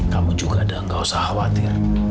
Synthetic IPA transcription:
kamud͡ʒuɡaːdaəŋkawsahawat̪ɪr

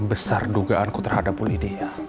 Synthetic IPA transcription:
bəsarduɡaʔankut̪ərhadapulidija

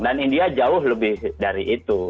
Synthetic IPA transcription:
danindiad͡ʒaʊɦləbɪhdaɾiʔit̪u

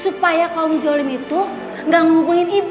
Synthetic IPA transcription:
supajakawmid͡ʒəɽimit̪u | ŋɡaŋuɡuŋinib

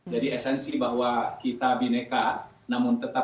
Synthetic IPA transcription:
d͡ʒadiɛsɛnsibaɦwakit̪abineka | namʊnt̪ət̪a

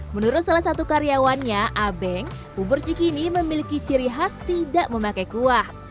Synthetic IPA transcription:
mənuɾʊt̪salahsat̪ukaɾiawanɲaʔabɛŋ | ubʊrt͡ʃikiniməmilikit͡ʃiɾiɦast̪idaʔməmakajkuah

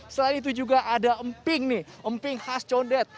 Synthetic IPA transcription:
səlainit̪̬ud͡ʒuɡaʔadaəmpɪŋnɪhʔəmpɪŋhast͡ʃondɛt̪̚

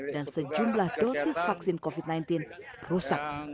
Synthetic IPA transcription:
dansəd͡ʒumblahdosɪsfaksinkofit̪̚najnt̪ɪn | rusak̪̚

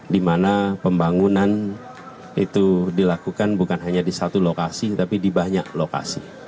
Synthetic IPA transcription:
dimanapəmbaŋunan | ḭt̪udilakukanbukanɦaɲadisat̪ulokasit̪apidibaɲaʔloka̰sḭ

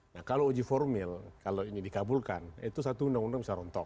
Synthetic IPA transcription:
nahkalood͡ʒifɔrmɪlkaloiɲidikabulkanit̪us̬at̪uːndaŋundaŋbisaɾɔnt̪ɔk

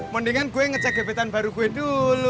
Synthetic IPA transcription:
məndiŋanɡuweŋət͡ʃaɡe̤bet̪anbaɾuɡuwedulu

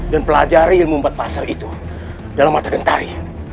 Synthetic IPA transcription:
danpəlad͡ʒaɾiilmumbat̪̚pasalit̪u | dalamːat̪aɡənt̪a̰ɾi

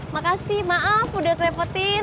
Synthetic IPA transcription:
makasɪhmaʔafudakɾɛpɔt̪ɪ

